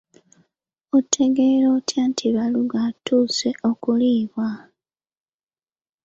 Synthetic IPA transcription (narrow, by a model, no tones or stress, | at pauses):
otʰːe̞ɡeɾo̞ːtʰjaːntʰiβaluɡatuːse̞ʔo̞kuliːβwa